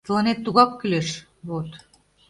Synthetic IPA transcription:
t̪lɑnet̪ːuɣɑkːyleʃ | βot̪

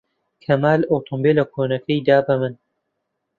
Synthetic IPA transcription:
kʰɐmaːloːt̪ʰombeːlɐkʰoːnɐkʰɐjd̪aːbɐmɨn

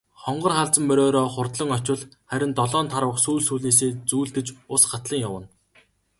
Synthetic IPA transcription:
χɔɴɢɞ̆rχaɮt͡sə̆mːœɾʲɔːɾɔːχʊrt̪ɮɞ̆ŋɔt͡ɕɪ̆ɮχæɾʲɪ̆nt̪ɔɮɔːnt̪ʰaɾə̆ə̆χsuːɮsuːɮneːs̬eːt͡suːɮt̪ɘ̆t͡ɕʊsɢat̪ɮə̆ŋjawə̆n

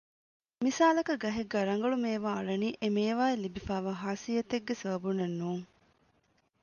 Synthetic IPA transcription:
misaːlɐkɐɡɐɦeɡːɐɾɐŋ̆ɡɐɭumeːʋaːɐɭɐniːʔemeːʋaːelːibifaːʋaːɦaːsijɐt̪eɡːesɐɐbunenːuːŋ

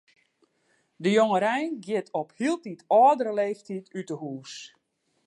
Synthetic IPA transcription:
dəjoŋəɾɛjnɡjɪtɔphiəlˠtitɔːdəɾəleːftʰitytəhuːs

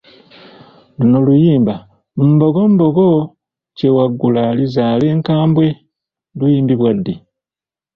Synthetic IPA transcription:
luno̞lujiːmba | umbo̞ɡombo̞ɡo | cewaɡːulaːlizaːle̞ːŋkaːmbwe̞ | lujiːndiβwadːi

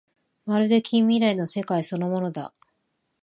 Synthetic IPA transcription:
maɾɯ̟d̪e̞kʲĩmʲːiɾaino̞se̞kaiso̞no̞mo̞no̞d̪a̰

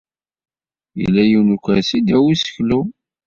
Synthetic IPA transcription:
jə̰lːæjiwnukʷːæsid̪æwisə̥çlu

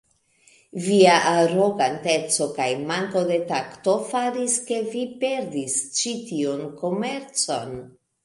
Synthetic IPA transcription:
viaʔaɾo̞ɡante̞t͡so̞kajmaŋko̞de̞takto̞faɾiske̞vipe̞ɾdist͡ʃitio̞nko̞me̞ɾt͡so̞n

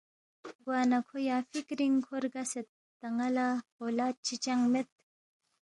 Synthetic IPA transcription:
ɡwaːnɐkʰojaːfikɾiŋkʰoɾɡɐset̪̚ːɐŋɐlahoːlaːt̪̚t͡ɕʰit͡ɕɐŋmet̪̚

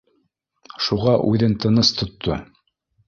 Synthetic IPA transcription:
ʃuʁɑʔʉðɘnt̪ɤ̆nɤst̪ʰŏt̪ʰːo

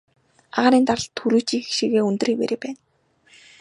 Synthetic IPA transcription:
a̰ʁăɾiːnt̪arə̆ɬt̪ʰxuɾuːt͡ɕiːxʃiːɣeːɵnt̪̆riːk̚pḛɾʲeːpæːn

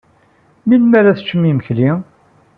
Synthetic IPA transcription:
milmæɾæθt͡ʃːəmːiməçli

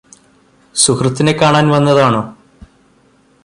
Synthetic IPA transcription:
sukrɨt̪ːinekːaːɳaːnʋɐnːɐðaːɳoː

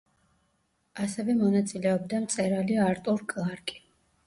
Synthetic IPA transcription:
asɛvɛmɔnat̪sʼilɛɔb̚d̪amt̪sʼɛɾaliaɾt̪ʼuɾkʼlˠaɾkʼi̥

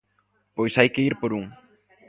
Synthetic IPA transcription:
pojsajkeiɾpoɾuŋ

